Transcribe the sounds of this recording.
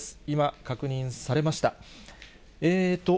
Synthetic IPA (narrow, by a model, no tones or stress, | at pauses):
sɨ̥imakakɯ̟ɲ̟ĩɰ̃saɾe̞maɕi̥t̪a | eːt̪ːo̞